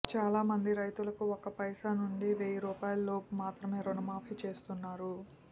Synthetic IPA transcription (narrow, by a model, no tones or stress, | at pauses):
t͡ʃaːlaːmɐnd̪iɾɐjt̪ulɐkuɔkɐpɐjʂaːnuɳɖiʋeːjiɾuːpaːjullo̞ːpumaːt̪ɾɐme̞ːɾonɐmaːpʰiːt͡ʃe̞ːst̪unːaːɾu